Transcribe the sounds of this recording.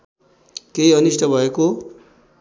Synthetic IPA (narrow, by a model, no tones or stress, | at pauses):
keiʌnisʈʌbʱʌeko